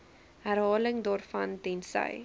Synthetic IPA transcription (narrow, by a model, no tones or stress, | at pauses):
ɦærɦɑːləŋdɑːrfɐndɛnsə̰j